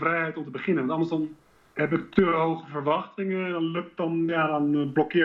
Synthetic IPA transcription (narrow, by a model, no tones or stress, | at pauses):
frɛjhɛjtɔmtəbəχɪnənʋɔntɑndəɹsɔn | hɛp̬ɪk̚təɦowχəfərʋɑxtɪŋəɛndɔnløk̚tdɔnjadɔnblɔkɪ